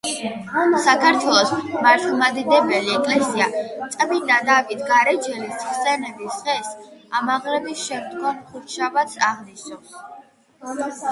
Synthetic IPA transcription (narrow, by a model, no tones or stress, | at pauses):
sakʰaɾt̪ʰwɛlˠɔsmaɾt̪ʰulˠmad̪id̪ɛbɛliɛkʼlɛsiat̪sʼqʼbinad̪avit̪ʰɡaɾɛd͡ʒɛlisχsɛnɛbisʁɛsamaʁlɛbisʃɛmd̪ɡwamχuɾt̪ʃabat̪sʰaʁniʃnɔs